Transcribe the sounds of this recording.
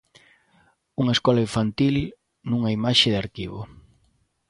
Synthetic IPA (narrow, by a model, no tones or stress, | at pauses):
uŋɐeskɔlaiɱfant̪il | nuŋɐimaʃɪðaɾkiβo̰